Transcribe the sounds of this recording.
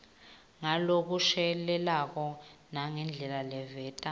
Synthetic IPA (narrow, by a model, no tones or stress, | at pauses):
ŋalok̬uʃɛlɛlak̬ɔnaŋɛnd͡ɮʱɛlalɛvɛːtʼa